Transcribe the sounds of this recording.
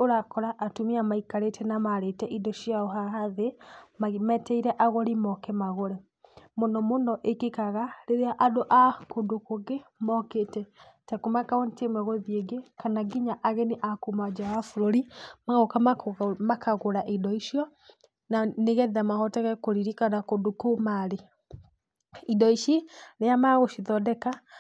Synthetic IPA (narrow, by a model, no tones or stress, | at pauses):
oɾakɔɾaʔːtumiamaikaɾetɛnamaɾetɛʔidɔʃjaɔɦaɦaðemamɛtɛiɾɛʔaɣɔɾimɔkɛmaɣoɾɛ | monɔmonɔʔekekaɣaɾeɾeaʔadoʔakondokoɡemɔketɛtɛkomakaontemɛɣoðieɡekanaɡiɲaʔaɣɛniʔakomad͡ʒawafuɾoɾimaɣokamakʰaɣoɾaʔidɔiʃijɔ | naneɣɛðamaɣɔtɛɣɛkoɾiɾikanakondokomaɾe | idɔiʃenejamaɣoʃiðɔdɛka